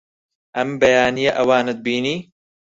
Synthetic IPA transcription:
ʔɐmbɛjaːnijeʔɐwaːnɨt̪̚biːniː

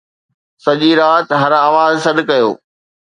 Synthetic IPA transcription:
sɐʄiɾaːt̪ɦɐɾaːʋaːzsɐɗ̪̆kɐjo̰ː

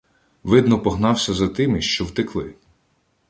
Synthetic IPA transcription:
ʋɪd̪nɔpɔɦnɑwsʲɐzɐt̪ɪmiʃt͡ʃɔwt̪ɪklˠɪ̰

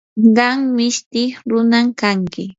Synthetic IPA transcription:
ɢɑŋmɪʃt̪ɪχɾʊnamkaŋkɪ

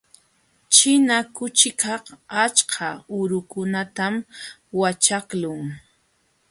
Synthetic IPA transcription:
t͡ʃɪnakʊt͡ʃɪkʰɑhat͡ʃkʰaʊɾʊkʊnat̪am | wat͡ʃaklʊŋ

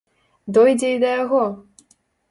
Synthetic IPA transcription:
d̪ɔjd͡zʲɛid̪ɐjaɣɔ

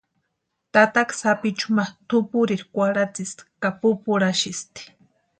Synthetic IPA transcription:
t̪at̪aksapit͡ʃʊmat̪ʊpʊɾiɾkʷaɾat͡sist̪kapʊpʊɾaʃist̪i̥

